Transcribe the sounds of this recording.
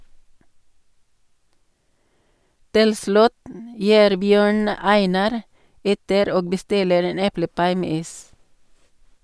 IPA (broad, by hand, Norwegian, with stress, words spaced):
ˈtɪl ˈslʉt m ˈjiːɾ ˈbjøːɳ ˈæɪnɑɾ ˈɛtəɾ ˈoːɡ bəˈstɪləɾ ˈeːn ˈɛpləˌpɑɪ ˈmeː ˈiːs